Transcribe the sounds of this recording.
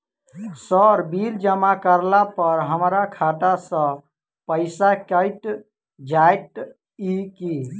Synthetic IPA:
səɾbiɾd͡ʒəmakəɾlapəɾɦəmɾakʰat̪asə̃ | pəɪsakəɪʈ | d͡ʒajʈ | iki

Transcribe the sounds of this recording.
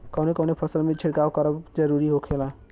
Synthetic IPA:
kʌwnekʌwnepʰʌsəlmet͡ʃʰiɽkawkʌɾɔd͡ʒʌɾuɾiɦokʰela

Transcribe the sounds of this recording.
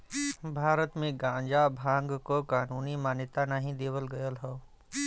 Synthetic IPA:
bʱaːɾət̪mẽɡãːɲd͡ʒabʱãːŋɡkokaːnuːnimaːnjɪt̪anaːɦĩd̪eːʋəlɡəjəlɦɔː

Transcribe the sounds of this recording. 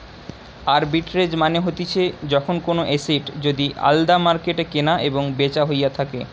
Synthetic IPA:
aɾbiʈɾed͡ʑmaneɦot̪it͡ɕʰed͡ʑɔkʰonkonoʔesiʈd͡ʑod̪iʔa̰ld̪amaɾkeʈekenaʔeboŋbet͡ɕaɦojat̪ʰakḛ

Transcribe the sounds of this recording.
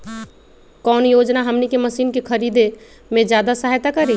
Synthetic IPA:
kɔnjod͡ʒnaɦəmnikeməsinkekʰəɾid̪e | med͡ʒjad̪asəɦjt̪akəɾi

